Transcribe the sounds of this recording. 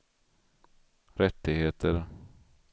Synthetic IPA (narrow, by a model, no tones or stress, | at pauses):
ɾɛt̪ːɪɡheːt̪ʰəɾ